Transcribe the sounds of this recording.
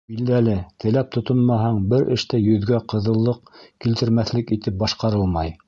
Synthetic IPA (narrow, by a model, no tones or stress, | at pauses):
bild̪ælɘt̪ʰɘ̆læp̚t̪ʰŏt̪onmɑɦɑɴbɘɾɘ̆ʃt̪æjɵ̆ðɡæqɤ̆ðɤ̆lˠːɤq̚kilt̪ɘ̆ɾmæθlɘkit̪ɘp̚bɑʃqɑɾɤlˠmɑj